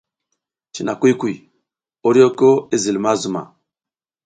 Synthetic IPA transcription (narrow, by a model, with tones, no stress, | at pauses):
t͡ʃi˨na˨kʷi˦kʷu˦˨i˨ | o˦ɾi˦o˦ko˦e˦zi˨lma˦zu˨ma̰˨